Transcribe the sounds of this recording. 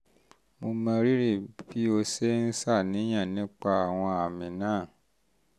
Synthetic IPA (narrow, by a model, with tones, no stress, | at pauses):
mo˧mã˧ɾi˦ɾi˦˨bi˨˦o˧se˦n̩˦sa˦˨nĩ˨˦j̃ã˦˨nĩ˨˦k͡pa˧a˨w̃ɔ̃˧a˨mĩ˨nãː˦˨